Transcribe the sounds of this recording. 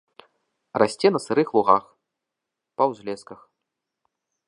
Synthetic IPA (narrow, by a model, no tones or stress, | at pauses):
rasʲt͡sʲɛnɐsɨɾɨxlˠuɣax | pɐwzʲlʲɛskɐx